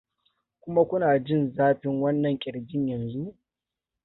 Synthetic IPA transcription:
kʷʊ˦ma˦kʷʊ˦naː˨d͡ʒɪ˦˨nzaː˦ɸɪ˦ŋwɐ˦nːɐ˨ŋkʲʼɪ˨ɽɡʲɪ˦ɲjɐ˨nzu˦

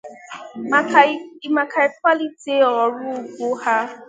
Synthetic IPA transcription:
i˦ma˨ka˨i˦k̚ʷwa˦li˦te˨˦ɔ˨ɾʊ˦˨ɡʷo˦ha˦

